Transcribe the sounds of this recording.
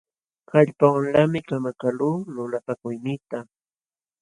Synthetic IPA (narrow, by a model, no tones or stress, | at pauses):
kaʎpawlamɪkamakaluːlʊlapakʊjnɪt̪a